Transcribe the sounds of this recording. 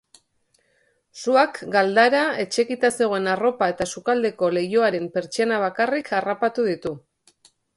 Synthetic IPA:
suakɡald̪aɾae̞t͡ʃe̞kit̪ase̞ɣ̞oe̞naro̞pae̞t̪asukald̪e̞ko̞le̞jo̞aɾe̞mpe̞ɾt͡ʃeanaβ̞akarikʰarapat̪uðit̪u

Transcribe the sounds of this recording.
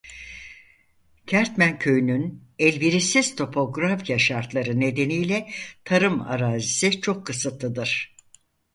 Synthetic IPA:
cʰæɾt̪mæncʰø̞jynynɛlʲbiɾisiz̥t̪ʰo̞pʰo̞ɡɾafjaʃaɾt̪lˠaɾɯne̞d̪e̞nijlʲɛt̪ʰaɾɯma̰ɾaːzisit͡ʃʰo̞kʰːɯsɯt̪ːɯd̪ɯɾ̥

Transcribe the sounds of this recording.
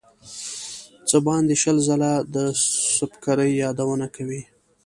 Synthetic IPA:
t͡səbɑnd̪eʃəlzalad̪əsʊpkaɾəjːɑd̪awənakawi

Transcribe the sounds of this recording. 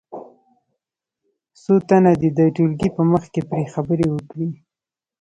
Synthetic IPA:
sot̪anad̪ed̪əʈulɡipəməxkepɾexabəɾewəkɽi

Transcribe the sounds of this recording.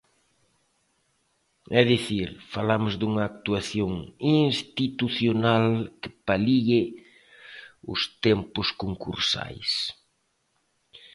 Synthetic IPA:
ɛðiθiɾfalamʊzd̪uŋɐːk̚t̪uaθjoŋinst̪it̪uθjonalkɪ̥paliɪ | ʊ̰st̪ɛmpʊskoŋkṵɾsa̰js

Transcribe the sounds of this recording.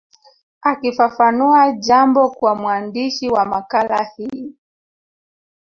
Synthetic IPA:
akifafanuaʄambɔkwamwandiʃiwamakalahi

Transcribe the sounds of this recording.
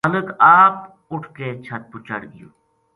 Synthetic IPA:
ələkaːp̚ | ʊʈʰkeːt͡ʃʰɐt̪̚pʊt͡ʃə̰ɽɡəjo̰ː

